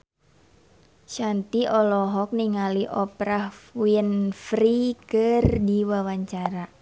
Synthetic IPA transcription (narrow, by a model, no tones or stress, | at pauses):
ʃant̪iʔɔlɔɦɔk̚niŋaliʔɔpɾahwiənfɾikɨrdiwawaɲt͡ʃaɾa